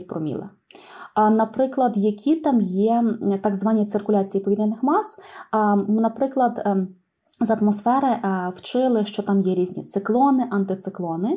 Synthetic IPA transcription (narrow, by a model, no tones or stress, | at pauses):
pɾɔmʲḭlˠḛ | nɐpɾɪklˠɐd̪jɐkʲʰit̪ɑmjɛt̪ɑɡzʋɑnʲːit̪sɪrkʊlʲɑt͡sʲijipɔʋʲid̪nʲɛnɪxmɑs | nɐpɾɪklˠɐd̪ | zɐt̪mɔsfɛɾɪwt͡ʃɪlˠɪʃt͡ʃɔt̪ɑmjɛɾʲizʲnʲḭt̪sɪklˠɔnɪʔɐnt̪ɪt̪sɪklˠɔnɪ